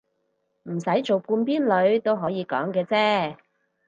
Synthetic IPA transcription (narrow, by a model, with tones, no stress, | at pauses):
m̩˨˩sɐ˨˥jt͡so˨wpuː˧npiː˥nlɵ˨˧ɥt̪o˥wɦɔː˨˥jiː˨˧kɔ̰ː˨˥ŋkɛː˧t͡sɛː˥